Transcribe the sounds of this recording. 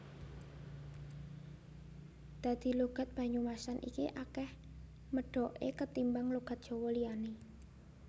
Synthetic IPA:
d̪̥a̤d̪̥i̤luɡ̥a̤t̪̚b̥ä̤ɲumasanʔḭkiʔakɛh | məɖ̥ɔ̤ʔḛkət̪imbaŋluɡ̥a̤t̪̚ʒ̥o̤wɔlijane

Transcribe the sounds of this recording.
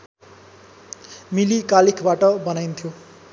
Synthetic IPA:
milikalikʰbaʈʌbʌnajnt̪ʰjo

